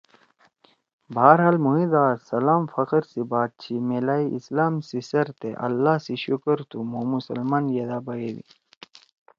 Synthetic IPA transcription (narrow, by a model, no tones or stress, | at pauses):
baaɾɦaːlmuɦid̪aːsɐlaːmfɐqɾsibaːt̪̚t͡ɕʰimelaːiʔislaːmsisɐɾt̪eʔɐ̰lːaːsiɕukəɾt̪umumusɐlmaːnjɐd̪aːbɐjeːwḭ